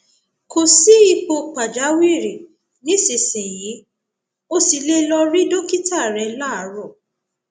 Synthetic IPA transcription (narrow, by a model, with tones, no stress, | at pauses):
ko˨si˨˦i˧k͡po˧k͡pa˨d͡ʒa˨˦wi˦˨ɾe˨ | nĩ˨˦se˨sɛ̃˨ji˨˦ | o˧si˨le˧lɔ˧ɾi˦do˦ki˦ta˦˨ɾɛ˨˧˦la˦˨˦ɾɔ˦˨